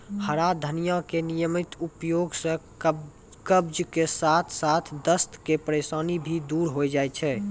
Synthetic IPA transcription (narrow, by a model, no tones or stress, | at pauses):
həɾad̪ʱənijãkenijəmit̪upjoɡsə̃ | kəbd͡ʒkesat̪ʰsat̪ʰd̪əst̪kepɾesanibʱid̪uɾɦojd͡ʒajt͡ʃʰɛ